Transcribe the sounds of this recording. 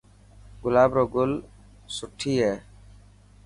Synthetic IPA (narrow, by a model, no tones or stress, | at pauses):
ɡʊlaːbɾɔɡul | suʈʰːiɛ